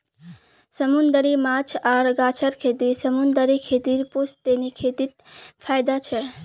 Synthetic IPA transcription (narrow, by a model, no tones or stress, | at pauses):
səmund̪əɾimat͡ʃʰaɾɡat͡ʃʰəɾkʰet̪isəmund̪əɾikʰet̪iɾpust̪enikʰet̪it̪̚pʰajd̪at͡ʃʰɛ